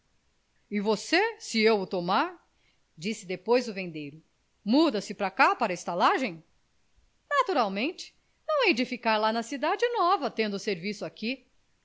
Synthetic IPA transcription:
ɪvosesɪewʊt̪omaɾ | d͡ʒisɪd̪epojzʊvẽnd̪ejɾʊ | mud̪ɐsɪpɾakapaɾɐɪst̪alaʒẽj̃ | nat̪uɾawmẽnt͡ʃɪ̥ | nɐ̃w̃ɛjd͡ʒɪfikaɾlanɐsid̪ad͡ʒɪnɔvɐt̪ẽnd̪ʊseɾvisʊaki

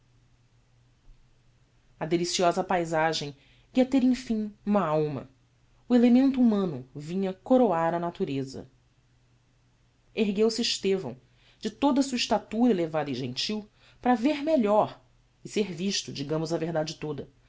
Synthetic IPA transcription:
ɐd̪elisiɔzɐpajzaʒẽj̃ | iɐt̪eɾẽj̃fĩŋũmɐawmɐ̰ | uelemẽnt̪uumɐ̃nʊvĩɲɐkoɾoaɾɐnat̪uɾezɐ̰ | eɦɡewsɪːʃt̪evɐ̰̃w̃ | d͡ʒɪt̪od̪ɐsuːɐiʃt̪at̪uɾɐelevad̪ɐĩʒẽnt͡ʃiw | pɾɐveɾmeʎɔɾ | ɪseɾviʃt̪ʊd͡ʒiɡɐ̃mʊzɐveɦd̪ad͡ʒɪt̪od̪ɐ

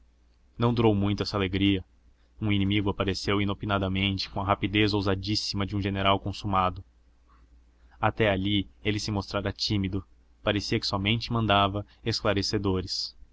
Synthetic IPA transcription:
nɐ̃w̃d̪uɾowmũj̃t̪ʊɛsɐaleɡɾiɐ | ũinĩmiɡʊapaɾesewinopinad̪ɐmẽnt͡ʃɪ̥kõɐɦapid̪ezowzad͡ʒisimɐd͡ʒɪũʒeneɾawkõsumad̪ʊ | at̪ɛaʎielɪsɪmost̪ɾaɾɐt͡ʃimid̪ʊ | paɾesiɐkɪ̥sɔmẽnt͡ʃɪmɐ̃nd̪avɐ | esklaɾesed̪oɾɪs

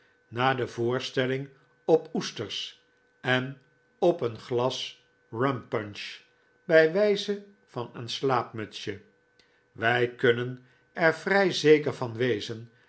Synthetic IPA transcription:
naːdəvʊːɹstɛlɪŋ | ɔpustəɹs | ɛn | ɔpənχlɑs | rœmpœnʃ | bɛjʋɛjzə | v̥ɑnənslaːpmœtsjə | ʋɛjkɵnən | ɛɹvrɛjzejkəɹvɑnʋejzən

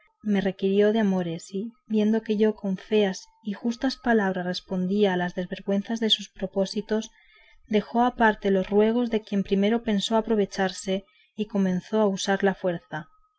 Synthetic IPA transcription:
me̞re̞kiɾjo̞ðeamo̞ɾe̞sibje̞nd̪o̞ke̞ʝo̞ko̞ɱfe̞as | ixust̪aspalaβ̞ɾasre̞spo̞nd̪iaːlazðe̞zβe̞ɾɣwe̞nθazðe̞suspɾo̞po̞sit̪o̞s | d̪e̞xo̞apaɾt̪e̞lo̞srwe̞ɣ̞o̞zðe̞kje̞mpɾime̞ɾo̞pe̞nsoapɾo̞β̞e̞t͡ʃaɾse̞ | iko̞mẽ̞n̟θo̞ausaɾlafwe̞ɾθa

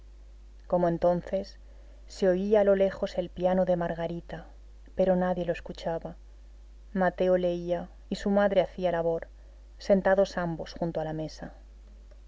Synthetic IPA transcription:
ko̞moe̞nt̪o̞nθe̞sː | e̞o̞iaːlo̞le̞xo̞se̞lpjanoðe̞maɾɣaɾit̪a | pe̞ɾo̞naðjelo̞e̞skut͡ʃaβa | mat̪e̞ole̞ia | isumaðɾe̞aθialaβo̞ɾ | se̞nt̪aðo̞sambo̞sxunt̪oalame̞sa

